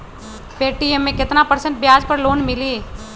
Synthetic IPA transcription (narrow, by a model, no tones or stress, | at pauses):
peːʈiemːẽkɪt̪napəɾsə̃ɳʈ̚bjaːd͡ʒpəɾloːnmɪliː